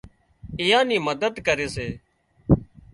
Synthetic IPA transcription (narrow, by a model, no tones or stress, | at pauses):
ɪjãːnĩːməd̪əd̪kəɾeːseː